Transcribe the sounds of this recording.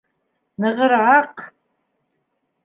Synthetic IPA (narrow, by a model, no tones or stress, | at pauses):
nɨʁəɾʕaq